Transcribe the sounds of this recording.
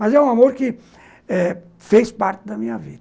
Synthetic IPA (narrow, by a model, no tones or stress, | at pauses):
mɐzɛũamoɾkɪ | ɛ | fespaɾt͡ʃ̪ɪd̪ɐmĩɲɐvḭd̪